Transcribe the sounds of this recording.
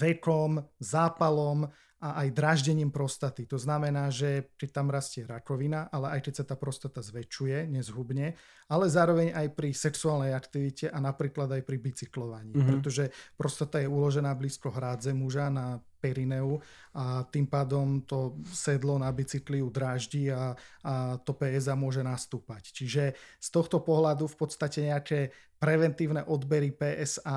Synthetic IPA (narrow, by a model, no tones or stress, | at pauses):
ʋɛkɔmzaːpalɔm | ʔaʔajd̪ɾaːʒɟɛɲiːmpɾɔst̪at̪it̪ɔznamɛnaːʒɛt͡ʃɛt̪amɾascɪɛɾakɔʋinaʔalɛʔajt͡ʃɛsat̪aːpɾɔst̪at̪azʋɛt͡ʃujɛɲɛzɦubɲɛ | alɛzaːɾɔʋɛɲajpɾisɛksuaːlnɛjakt̪iʋicɛʔanapɾiːklad̪ajpɾibit͡siklɔʋaɲiːpɾɛt̪ɔʒɛpɾɔst̪at̪ajɛulɔʒɛnaːbliːskɔɦɾaːd͡zɛmuʒanapɛɾinɛu | at̪iːmpaːd̪ɔmt̪ɔsɛd̪lɔnabit͡sikliud̪ɾaːʒɟia | t̪ɔpɛːɛzamʊɔʒɛnast̪uːpact͡ʃiʒɛst̪ɔxt̪ɔpɔɦlad̪ufpɔt̪st̪acɛɲɛakɛ | pɾɛʋɛnt̪iːʊnɛʔɔd̪bɛɾipɛːʔɛzaː